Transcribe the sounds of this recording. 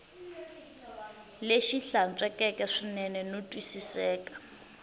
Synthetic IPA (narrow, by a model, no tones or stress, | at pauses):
leʃiɬant͡sʼɛkʼɛkʼɛʂinɛnɛnotʼwisisɛːkʼḁ